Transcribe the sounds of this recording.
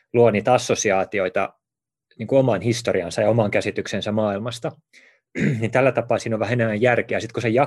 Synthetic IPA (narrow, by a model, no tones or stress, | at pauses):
luoniːt̪ɑsːosiɑːt̪ioit̪ɑ̰ | niːŋkuomɑnhist̪oriɑnsɑjɑomɑŋkæsit̪yksensæmɑːilmɑst̪ɑ | nint̪ælːæt̪ɑpɑːsiːnoʋʋæhæenemːæjjærkeæːsit̪kusejɑ